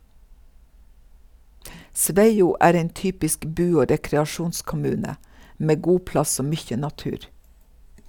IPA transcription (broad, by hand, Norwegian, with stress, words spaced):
ˈsʋæɪuː ˈʔæːɾ ˈɛn ˈtyːpɪsk ˈbʉː ˈoː ɾɛkɾɛɑˈʃuːnskʊˌmʉːnə ˈmeː ˈɡuː ˈplɑs ˈoː ˈmyːçə nɑˈtʉːɾ